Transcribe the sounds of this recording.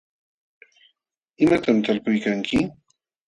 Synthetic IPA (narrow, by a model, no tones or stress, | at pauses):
ɪmat̪amt̪alpʊjkaŋkʰɪ